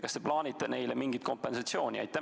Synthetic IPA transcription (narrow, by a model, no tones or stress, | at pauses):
kɑst̪eplɑːnʲit̪ːˑene̞jlemiŋɡ̥it̪̚ko̞mpe̞nsɑt̪sio̞ːnʲiɑ̰jt̪æ